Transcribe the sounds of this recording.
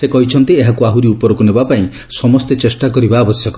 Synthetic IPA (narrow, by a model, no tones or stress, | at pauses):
sekɔɦit͡ʃʰɔnt̪ieɦakuaɦuɾiupɔɾɔkunebapaĩ | sɔmɔst̪et͡ʃesʈakɔɾibaːbɔsjɔkɔ